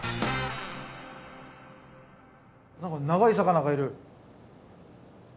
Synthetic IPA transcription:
nãŋkanaɣaisakanaɣaiɾɯ̟

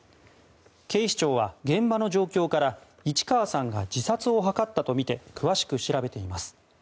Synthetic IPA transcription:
ke̞ːɕi̥t͡ɕo̞ːβaɡẽ̞mbano̞d͡ʑo̞ːkʲo̞ːkaɾa | it͡ɕi̥kaβasãŋɡad͡ʑisat͡sɨo̞ɦakat̪ːat̪o̞mʲit̪e̞kʰɯ̟βaɕi̥kɯ̟ɕiɾabe̞t̪e̞imasɨ̥

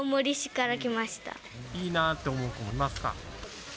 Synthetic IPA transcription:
mɯɾʲiɕi̥kaɾakʲimaɕi̥t̪a̰ | iːnat̪ːe̞omo̞ːkomoimasɨ̥ka̰

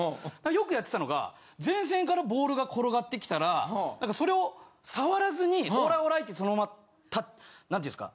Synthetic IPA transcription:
nãkːajo̞kɯ̟jat̪ːet̪ano̞ɡa̰ | zẽ̞ɰ̃s̬ẽ̞ŋkaɾabo̞ːɾɯ̟ɡakʰo̞ɾo̞ɡat̪ːe̞kʲi̥t̪aɾanãŋkaso̞ɾe̞o̞saβaɾazɨɲ̟ioːɾaoɾait̪ːeso̞nomama | t̪anãneiɨ̰̃sɨ̥ka̰

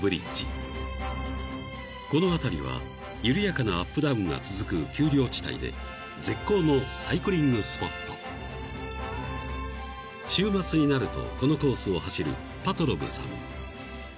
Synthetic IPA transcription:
bɯ̟ɾʲit͡ɕḭ | ko̞no̞at̪aɾʲiβ̞a̰ | jɯɾʲɯjakanaapːɯ̟d̪aɯ̃ŋɡa̰t͡sɨzɨkɯ̟kʲɨːɾʲo̞ːt͡ɕi̥t̪a̰ḭd̪e̞̰ | d͡ze̞kːo̞ːno̞saikɯ̟ɾʲĩŋɡɯsɨ̥po̞t̪ːo̞̰ | ɕɨːmat͡sɨɲ̟inaɾɯ̟t̪o̞̰ko̞no̞ko̞ːsɨo̞haɕiɾɯ̟̰ | pat̪o̞ɾobɯ̟sã̰m

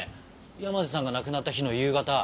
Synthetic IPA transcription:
ɯjamazesãŋɡanakɯ̟nat̪ːaçino̞jɯ̟ːɡat̪a

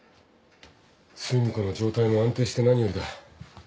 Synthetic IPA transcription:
t͡sɨːɲ̟iko̞no̞d͡ʑo̞ːt̪aimoãnt̪e̞ːɕi̥t̪e̞naɲ̟ijo̞ɾɯ̟k̪a

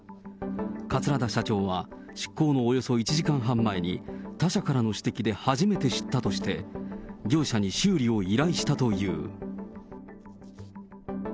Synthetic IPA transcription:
kat͡sɨɾad̪aɕat͡ɕo̞ːβ̞a | ɕi̥kːo̞ːno̞ːjo̞so̞it͡ɕiʑikãɰ̃ɦãmːaiɲ̟ḭt̪aɕakaɾano̞ɕi̥t̪e̞kʲid̪e̞haʑime̞t̪e̞ɕi̥t̪ːat̪o̞ɕi̥t̪e̞ɡʲo̞ːɕaɲ̟iɕɨːɾʲio̞iɾaiɕi̥t̪at̪o̞jɯ̰ː

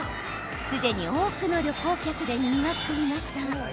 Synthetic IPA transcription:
sɨd̪e̞ɲ̟io̞ːkɯ̟no̞ɾʲo̞ko̞ːkʲakɯ̟d̪e̞ɲʲiɲiβat̪ːeɾʲimaɕi̥t̪a

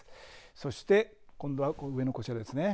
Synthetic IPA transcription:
so̞ɕi̥t̪e̞ | kõnd̪oakoɯe̞no̞koɕiad̪e̞sɨne̞

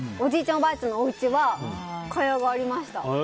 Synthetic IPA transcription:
o̞d͡ʑiːt͡ɕõmbait͡ɕɨ̃nːooɯ̟t͡ɕiβakʰajaɡaːɾʲimaɕi̥t̪a

